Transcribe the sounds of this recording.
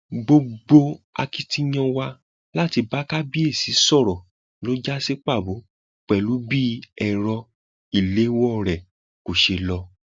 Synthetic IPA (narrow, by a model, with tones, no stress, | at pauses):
ɡ͡bo˧ɡ͡bo˧a̰˧ki˦ti˦j̃ã˧wa˧ | la˦ti˧ba˦ka˦bi˦e˦˨si˨˦sɔ˦˨ɾɔ˨ | lo˦d͡ʒa˦si˦k͡pa˦˨bo˨˦ | k͡pɛ˨lu˨˦bi˦ɛ˨ɾɔ˧ | i˦˨le˨˦wɔ˦˨ɾɛ˨ | ko˨ʃe˧lɔ˧